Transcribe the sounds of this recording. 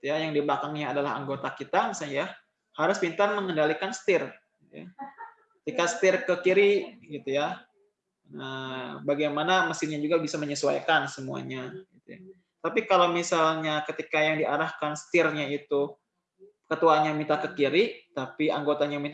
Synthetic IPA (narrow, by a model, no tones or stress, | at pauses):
it̪ujajaŋdiblakaŋɲaːdalaha̰ŋɡot̪akit̪amisalɲja | haɾʊspint̪anməŋəndalikansə̥t̪ɪr | ja̰ | kət̪ikast̪ɪrkəkiɾiɡit̪uja | əbaɡajmanaməsɪɲad͡ʒuɡabisaməɲəsua̰jkansəmua̰ɲaɡit̪uja̰ | t̪apikalowmisalɲakət̪ikajaŋdiaɾahkansə̥t̪ɪrɲait̪u | kət̪uaɲamit̪akəkiɾit̪apiaŋɡot̪aɲami